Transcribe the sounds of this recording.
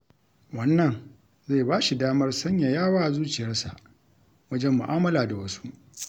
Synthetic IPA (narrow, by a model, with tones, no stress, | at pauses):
wɐ˦nːɐ˨n | ze˦˨baː˦ʃi˨daː˦mɐ˦rsɐ˦ɲja˨jaː˦waː˦˨zuː˦t͡ʃɪ˨jɐ˦rsa˨ʔ | wɐ˦d͡ʒɛ˦mːʊ̰˨ʔaː˦mɐ˦laː˨da˨wɐ˦su̥˦ʔ